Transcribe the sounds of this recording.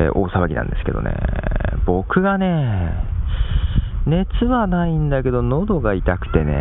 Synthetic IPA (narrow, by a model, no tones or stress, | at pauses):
ʔoːsaβaɡʲinã̰nd̪e̞sɨ̥ke̞d̪o̰nḛbo̞kɯ̟ɡane̞ː | ne̞t͡sɨβanaĩnd̪ake̞d̪o̞no̞d̪o̞ɡait̪akɯ̟̥t̪e̞ne̞̰